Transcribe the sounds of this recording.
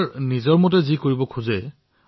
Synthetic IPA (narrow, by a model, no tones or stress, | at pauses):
ɹnizɔɹmɔt̬ɛzikoɹibɔkʰuzɛ